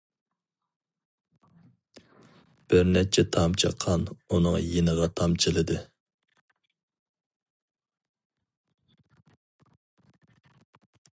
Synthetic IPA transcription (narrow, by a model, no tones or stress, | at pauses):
b̥ɪɾnɛt͡ʃʰɛt̪ʰɑmt͡ʃʰəqʰːɑnunɨŋjenəʁɑt̪ʰɑmt͡ʃʰilˠɨd̪ɨ